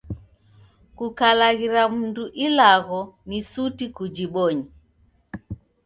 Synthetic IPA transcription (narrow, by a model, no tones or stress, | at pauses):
kukalaɣiɾamunduʔilaɣɔnisutikud͡ʒiɓɔɲi